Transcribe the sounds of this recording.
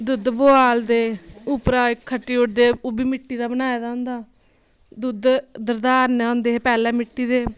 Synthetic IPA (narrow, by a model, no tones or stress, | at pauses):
d̪ʊd̪boːaːld̪eːʊpɾaːɪkʰːəʈːiːʊʈd̪eːoːbiːmɪʈːiːd̪aːbənaːed̪ãːʊ̃nd̪aː | d̪ud̪d̪əɾd̪aːɾnaːɦõːnd̪eːɦeːpɛːlɛːmɪʈːiːd̪eː